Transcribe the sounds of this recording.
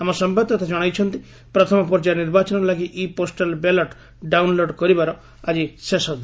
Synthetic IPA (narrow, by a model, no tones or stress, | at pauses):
amɔsɔmbad̪̚t̪at̪ʰad͡ʒɔɽ̃ajt͡ʃʰɔnt̪i | pɾɔt̪ʰɔmɔpɔɾd͡ʒaɾniɾbat͡ʃɔnɾɔlaɡiʔiposʈalbelɔʈ | ɖawnloɖkɔɾibaɾɔ | ad͡ʒisesɔn